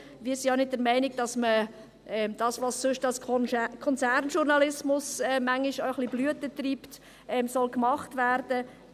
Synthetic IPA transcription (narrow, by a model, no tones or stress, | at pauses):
viːɾsianɪt̚dəɾmɛɪnɪɡ̚d̥ɑsmə | ʔɛmd̥ɑːsʋɑssøʃtɑlskʰɔnsæɾnʃuɾnɑlɪsmʊsɛmæŋːiʃoəχliblyətətriːpt | ɛmsɔlkmɑχtvæɾd̥ə